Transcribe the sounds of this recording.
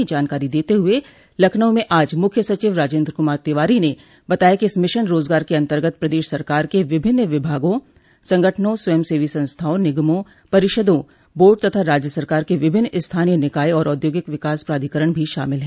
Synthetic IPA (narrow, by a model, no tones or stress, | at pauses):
id͡ʒaːnkaːɾid̪eːt̪eɦʊe | lɐkʰnəwmẽʔaːd͡ʒmʊkʰjəsɐt͡ʃiːʋɾaːd͡ʒeːnd̪ɾəkʊmaːɾt̪ɪʋaːɾine | bɐt̪aːjakiɪsmɪʃənɾoːzɡaːɾkeɐ̃nt̪əɾɡət̪̚pɾɐd̪eːʃsɐɾkaːɾkeʋɪbʱɪnːʋɪbʱaːɡõ | sɐ̃ŋɡʱəʈʰnõswəjmseːʋisɐ̃nst̪ʰaːõnɪɡmõ | pɐɾɪʃəd̪õ | boːɾɖ̚t̪ɐt̪ʰaɾaːd͡ʒjəsəɾkaːɾkeʋɪbʱɪnːɪst̪ʰaːnijənɪkaːiɔːɾɔːd̪joːɡɪkʋɪkaːspɾaːd̪ʱikəɾəɽ̃bʱiʃa̰ːmɪlɦɛ̃